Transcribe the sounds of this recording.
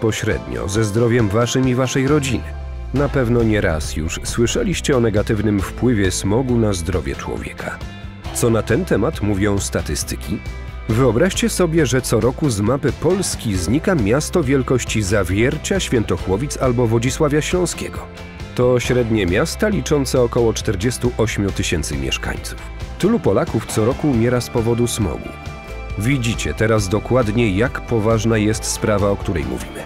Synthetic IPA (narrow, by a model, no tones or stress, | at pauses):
pɔɕɾɛ̰d̪ɲɔ̰zɛzd̪ɾɔvʲjɛmvaʂɘmivaʂɛjɾɔd͡ʑinɘ̰ | napɛvnɔɲɛɾa̰sjṵʂswɘʂɛlʲiɕt͡ɕɛɔnɛɡat̪ɘvnɘmfpwɘvʲjɛsmɔɡunazd̪ɾɔvʲjɛ̰t͡ʂwɔ̰vʲjɛ̰kʰa | t̪sɔnat̪ɛnt̪ɛmat̪muvʲɔ̃w̃st̪at̪ɘst̪ɘ̥kʲi | vɘɔbɾaʂt͡ɕɛsɔbʲjɛʐɛt̪sɔɾɔkuzmapɘpɔlskʲizɲikamʲjast̪ɔvʲjɛlkɔɕt͡ɕizavʲjɛɾt͡ɕaɕfʲɛnt̪ɔxwɔvʲit̪salbɔvɔd͡ʑiswavʲjaɕlɔ̃w̃skʲɛ̰ɡɔ | t̪ɔɕɾɛd̪ɲɛmʲjast̪alʲit͡ʂɔnt̪sɛɔkɔwɔt͡ʂt̪ɛɾd͡ʑɛst̪uʔɔɕmʲjut̪ɘɕɛnt̪sɘ̰mʲjɛ̰ʂka̰ɲt̪su̥ft̪ɘlupɔlakuft̪sɔɾɔkuːmʲjɛɾaspɔvɔd̪usmɔ̰ɡṵ | vʲid͡ʑit͡ɕɛ̰t̪ɛɾazd̪ɔkwad̪ɲɛjakpɔvaʐnajɛst̪spɾavaɔkt̪uɾɛ̰jmṵvʲḭmɘ̰